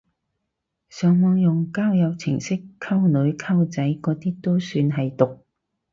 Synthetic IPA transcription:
sœː˨˧ŋmɔː˨˧ŋjʊ˨ŋkaː˥wjɐ˨˧wt͡sʰɪ̰˨˩ŋsɪ˥kʰːɐ˥wnɵ˨˧˥ɥkʰɐ˥wt͡sɐ˨˥jkɔː˨˧˥t̪iː˥t̪o˥wsyː˧nɦɐ˨jt̪ʊ˨k̚

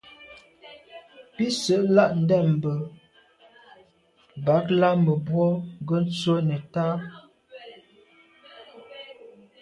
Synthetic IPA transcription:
pi˦sə˨˦ʔla˦˨ʔn̩˦dɛ˦˨m̩˨bə˨ | ba˨˦kla˦mə˨bwɔ˦ɡə˦n̩˦t͡swə˦nə˨ta˦

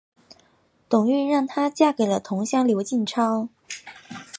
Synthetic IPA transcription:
t̪ʊ˨˩ŋy˥˧nɻɑ˥˩ŋt̪ʰa˥t͡ɕja˥˩ke˨˩ɪlə˦t̪ʰʊ˧˥ŋɕjɑ˥ŋljo˧˥ʊt͡ɕi˥˩nʈ͡ʂʰɑ˥ʊ

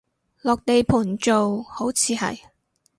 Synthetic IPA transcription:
lɔː˨k̚t̪e˨jpʰuː˨˩nt͡ʃo˨who˨˥wt͡sʰiː˨˧hɐ̰˨j

